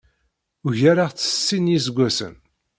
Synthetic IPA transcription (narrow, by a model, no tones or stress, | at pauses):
ʊʝaɾaʁt͡sːə̥sːinjis̬ɡʷːæsə̰n